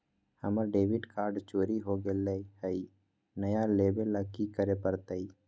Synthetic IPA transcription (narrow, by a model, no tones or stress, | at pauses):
həməɾɖeːʋɪɖkaːɾɖt͡ʃoːɾiɦoɡeleihəi | nəjaleːbelːəkːikəɾepəɾt̪əi